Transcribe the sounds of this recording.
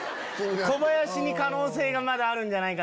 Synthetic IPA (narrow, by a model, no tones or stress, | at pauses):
ko̞bajoɕiɲ̟ikano̞ːse̞ːɡamad̪aːɾɯ̟̃ɲd͡ʑanaika